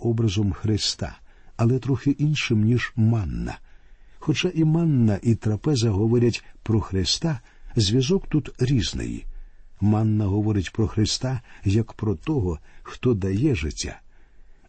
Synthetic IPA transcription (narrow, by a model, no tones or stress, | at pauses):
ɔbɾɐzɔmxɾɪst̪a̰ | ɐlˠɛt̪ɾɔxɪʔinʃɪmnʲiʒmanːɐ̰ | xɔt͡ʃaʔimanːɐʔit̪ɾɐpɛzɐɦɔʋɔɾʲɐtʲpɾɔxɾɪst̪a | zʲʋʲjɐzɔkt̪ut̪ɾʲiznɪ̰jḭmanːɐɦɔʋɔɾɪtʲpɾɔxɾɪst̪ajɐkpɾɔt̪ɔɦɔxt̪ɔd̪ɐjɛʒɪtʲːa̰